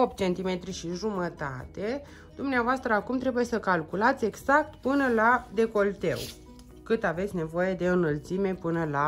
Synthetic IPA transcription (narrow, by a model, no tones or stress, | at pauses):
opt̪̚t͡ʃe̞nt̪ime̞t̪ɾiʃiʒumət̪a̰t̪e̞ | d̪̥umneavoast̪ɾəakumt̪ɾe̞buje̞səkalkulat̪sʲe̞ɡzak̚t̪pɨnəlad̪e̞ko̞lt̪e̞̰w | kɨt̪ave̞t̪sʲne̞vo̞je̞d̪e̞ɨnəlt̪sime̞pɨnəla